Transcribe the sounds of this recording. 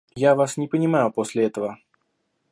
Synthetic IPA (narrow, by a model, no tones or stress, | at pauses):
javasnʲɪpənʲɪmajʊposʲlʲɪɛt̪əvə